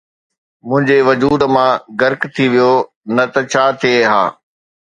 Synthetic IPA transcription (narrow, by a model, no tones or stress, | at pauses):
mʊ̃ɦɪ̃ɲd͡ʑeʋɐd͡ʑuːd̪mãɡɐɾkt̪ʰiʋijo | nɐt̪ɐt͡ɕʰaːt̪ʰieɦa̰ː